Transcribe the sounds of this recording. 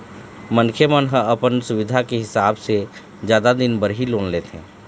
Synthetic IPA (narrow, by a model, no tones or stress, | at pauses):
mənkʰjəmənɦə̃əpənsʊwɪd̪ʱakeɦɪsaːbse | d͡ʒjaːd̪ad̪ɪnbəɾɦiloːnleːt̪ɛ̰̃ː